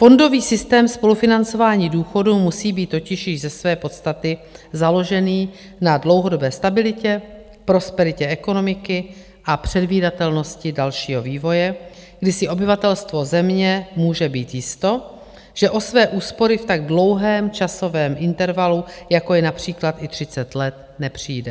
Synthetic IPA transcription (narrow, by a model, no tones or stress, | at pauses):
fo̞ndo̞viːsɪst̪ɛːmspo̞lufɪnant͡so̞vaːɲiːduːxo̞dumusiːbiːt̪ːo̞cɪʃjɪʒzɛsvɛːpo̞t̪st̪at̪ɪzalo̞ʒɛniː | nadlo̞wɦo̞do̞bɛːst̪abɪlɪcɛ | pɾo̞spɛɾɪcɛʔɛko̞no̞mɪkɪ | ʔapr̝̥ɛdviːdat̪ɛlno̞scɪdalʃiːɦo̞viːvo̞jɛɡdɪsɪʔo̞bɪvat̪ɛlst̪vo̞zɛmɲɛmuːʒɛbiːt̪jɪst̪o̞ | ʒ̥ɛʔo̞svɛːʔuːspo̞ɾɪft̪aɡ̚dlo̞wɦɛːmt͡ʃaso̞vɛːmʔɪnt̪ɛɾvalujakojɛnapr̝̥iːklat̪ʔɪt̪r̝̥ɪt͡sɛt̪lɛt̪̚ | nɛpr̝̥iːdɛ